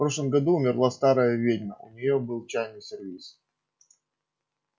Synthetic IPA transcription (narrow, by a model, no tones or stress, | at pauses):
pɾo̞ʂlˠəmɡɐd̪uːmʲɪrlˠast̪aɾəjəvʲedʲnʲəʊ̰nʲɪjobɨlˠt͡ɕajnʲɨsʲɪrvʲis